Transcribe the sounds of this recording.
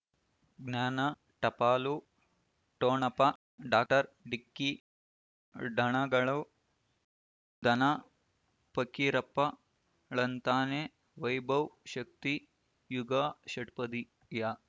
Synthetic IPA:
ɡnjaːnɐ | ʈɐpaːlu | ʈoːnɐpɐ | ɖaːk̚ʈɐɾɖikːi | ɖʱɐɳɐɡɐɭɐ | d̪ʱɐnɐ | pɐkːiɾɐpːɐ | ɭɐnt̪aːneː | ʋɐjbʱɐwʃɐk̚t̪i | juɡɐʃɐʈpɐd̪i | ja

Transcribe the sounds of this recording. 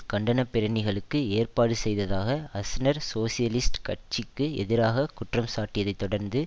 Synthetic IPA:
kɐɳɖɐnɐpːɪɾɐɳɪɣɐɭɯkːɯeːrpaːɽɯsɛjðɐðaːɣɐɐsɪnɐɾsoːsɪjɐlɪsʈkɐʈ̚t͡ʃɪkːɯɛ̰ðɪɾaːɣɐkʊʈrɐmsaːʈːɪjɐðɐɪt̪ːɔɽɐɾnd̪ɯ

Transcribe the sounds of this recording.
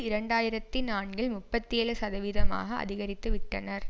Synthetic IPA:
ɪɾɐɳɖaːjɪɾɐt̪ːinaːɳɡɪɭmʊpːɐt̪ːɪeːɭɯsɐðɐʋiːɾɐma̰ːɣɐɐ̰ðɪɣɐɾɪt̪ːɯʋɪʈːɐnɐɾ

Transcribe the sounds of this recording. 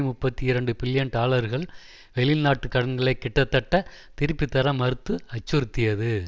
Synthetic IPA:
mʊpːɐt̪ːiɪɾɐɳɖɯbɪljɐnʈaːɭɐɾɣɐɭ | ʋɛɭɪlnaːʈːɯkːɐɽɐnɡɐɭɐɪkːɪʈːɐt̪ːɐʈːɐ | t̪ɪɾɯpːɪt̪ːɐɾɐmɐɾɯt̪ːɯɐt͡ʃːɯɾɯt̪ːɪjɐðɯ

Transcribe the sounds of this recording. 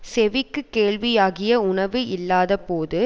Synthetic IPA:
sɛʋɪkːɯkːeːɭʋɪjaːɣɪjɐʊɳɐʋɯɪlːaːðɐpoːðɯ

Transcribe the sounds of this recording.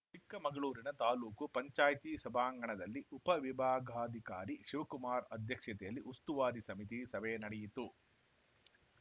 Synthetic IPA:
t͡ʃikːɐmɐɡɐɭuːɾinɐt̪aːluːkupɐɲt͡ʃaːjt̪isɐbʱaːŋɡɐɳɐd̪ɐlːiʔupɐʋibʱaːɡʱaːd̪ʱikaːɾiʃiʋɐkumaːɾɐd̪ʱjɐkʂɐt̪ɛjɐlːiʔust̪uʋaːd̪isɐmit̪isɐbɛjɐnɐɽɛjit̪ːu

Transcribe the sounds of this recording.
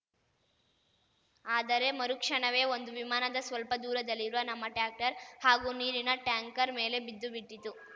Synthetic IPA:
aːd̪ɐɾe̞mɐɾukʂɐɳɐʋe̞ːo̞nd̪uʋimaːnɐd̪ɐsʋɐlpɐd̪uːɾɐd̪ɐlːiɾuʋɐnɐmːɐʈaːk̚ʈɐɾhaːɡuniːɾinɐʈjaːŋkɐɾme̞ːle̞bid̪ːubiʈːit̪u

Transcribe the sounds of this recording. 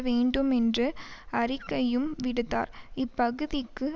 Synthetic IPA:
ʋeːɳɖɯmɛndrɯɐrɪkːɐjɯmʋɪɽɯt̪ːa̰ːɾɪpːɐɣɯðɪkːɯ

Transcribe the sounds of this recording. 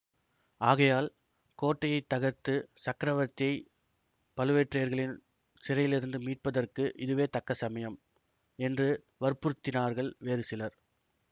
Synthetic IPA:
aːɣɐjaːl | koːʈːɐjɐɪt̪ːɐɣɐɾt̪ːɯsɐkːɪɾɐʋɐɾt̪ːɪjɐɪ | pɐlɯʋeːʈrɐjɐɾɣɐɭɪn | sɪɾɐjɪlɪɾɯnd̪ɯmiːʈ̚pɐðɐrkɯʔɪðɯʋeːt̪ɐkːɐsɐmɐjɐm | ɛndrɯ | ʋɐɾpʊɾɯt̪ːɪnaːɾɣɐɭʋeːɾɯsɪlɐɾ

